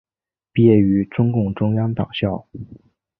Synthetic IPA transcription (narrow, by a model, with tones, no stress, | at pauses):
pjɛ˥˩y˧˥ʈ͡ʂʊ˥ŋkʊ˥˩ŋʈ͡ʂʊ˥ŋjɑ˥ŋt̪ɑ̰˨˩ŋɕjɑ˥˩ʊ